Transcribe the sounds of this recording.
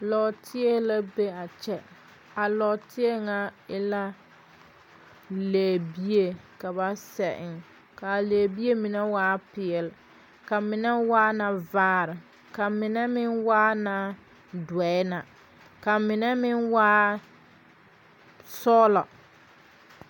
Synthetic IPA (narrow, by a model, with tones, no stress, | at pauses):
lɔ˨tʰɪ˦e˦la˦be˦a˨t͡ʃɛ˦ | a˨lɔ˨tɪ˦e˦ŋa˦ɪ˦la˦ | leː˨bi˦e˨ka˨ba˦sɛ˨ʔɪ˨ŋ | ka˨leː˨bi˦e˦mɪ˨nɛ˦waː˦pɪ˨ɛ˨lɪ˨ | ka˨mɪ˨nɛ˦waː˦na˨vaː˦ɾɪ˨ | ka˨mɪ˨nɛ˦mɪ˦nwaː˦na˨ | dwɛ˨ɪ˦na˨ | ka˨mɪ˨nɛ˦mɪ˦nwaː˦ | sɔː˦lɔ̰˨